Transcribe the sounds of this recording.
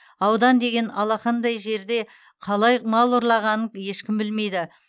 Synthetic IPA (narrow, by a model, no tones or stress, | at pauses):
ɑwd̪ɑnd̪e̞ɡʲe̞nɑlˠɑqɑnd̪ɑjʒe̞ɾd̪e̞ | qʰɑlˠɑjmɑlˠʊɾlˠɑʁɑnəje̞ʃkʲɪmbɪlme̞jd̪ɪ